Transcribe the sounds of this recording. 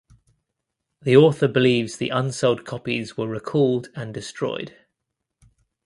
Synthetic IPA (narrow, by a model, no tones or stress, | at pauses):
ðiɔˑθəbɪliːvz̥ðḭʔʌ̃nsəʊlˠd̚kʰɒpizwəɹɪkʰɔːlˠdə̃ndɪstɹ̥ɔ̰ɪd̥